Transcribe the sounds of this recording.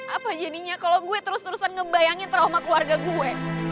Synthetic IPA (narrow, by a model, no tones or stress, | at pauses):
ʔapad͡ʒadiɲakaloɡuɛt̪əɾʊst̪əɾusanŋəbajaŋɪnt̪əɾomakluarɡaɡuɛ